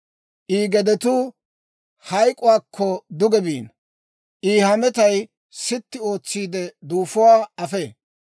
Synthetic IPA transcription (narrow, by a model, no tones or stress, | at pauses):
ʔiːɡɛd̪ɛt̪ʊ | hɐjkʼʊwaːkʰːɔd̪ʊɡɛbiːn | ʔiːhɐmɛt̪ɐj | sɪt̪ːɪo̞ːt͡sːiːd̪ɛd̪uːfʊwaːɐfe